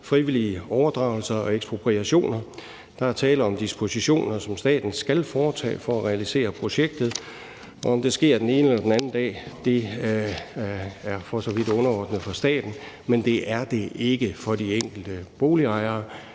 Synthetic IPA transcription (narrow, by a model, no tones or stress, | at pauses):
fʁiʋiliəɒʊɐd̥ʁɑ̈ʊl̩sɐɒ̽eɡ̥sb̥ʁo̝pʰʁiæɕo̝̰ːnɐ | d̥ɑ̈æɐt͡sʰɛːləɒ̽md̥isb̥o̝siɕo̝̰ːnɐsɒ̽msd̥ɛ̰ːd̥n̩sɡ̥ælfɒːt͡sʰɛ̰ːfɒ̽æʁɛælise̝̰ːɐpʰʁo̝ɕeɡ̥̚d̥ð̞̩ˠ | ɒ̽ɒ̽md̥e̝sɡ̥e̝ɐ̰d̥ene̝ːnəlɐd̥enænn̩d̥ɛ̰ːd̥e̝ | æɐfɒ̽sɒ̽ʋid̥ɔ̽nɐɒːd̥nəð̩ˠfɒsd̥ɛ̰ːd̥n̩ | mend̥e̝ʔæɐd̥e̝e̝ɡ̥əfɒ̽d̥ieŋ̰ɡ̥l̩d̥əb̥o̝ːliɑ̈ɪɐː